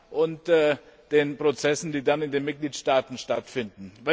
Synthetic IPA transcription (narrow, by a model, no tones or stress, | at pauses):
ʔʊntː | d̥eːnpʁ̥ot͡sɛsn̩d̥iːdanɪndeːnmɪt̚ɡ̥liːtʃtaːtn̩ʃtatfɪndn̩vɛ